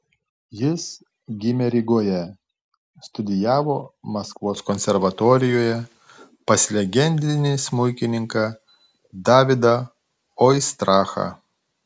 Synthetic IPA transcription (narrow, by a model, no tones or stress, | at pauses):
jɪs | ɡʲɪmʲɛɾʲɪɡoːjɛ | st̪ʊd̪ʲɪjæːʋoːmɐskʋoːskɔnʲsʲɛɾʋɐt̪oːɾʲɪjoːjɛ | pɐsʲlʲɛɡʲɛnʲd̪ʲɪnʲɪsmʊɪkʲɪnʲɪŋkɐ | d̪ɑːʋʲɪd̪ɐ | ɔɪst̪ɾɑːxɐ̰